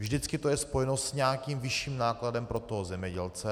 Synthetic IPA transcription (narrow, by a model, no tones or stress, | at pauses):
vʒdɪt͡skɪt̪ojɛspo̞jɛnost̪sɲaːkiːmvɪʃiːmnaːkladɛmpɾo̞t̪oɦozɛmɲɛɟɛlt͡sɛ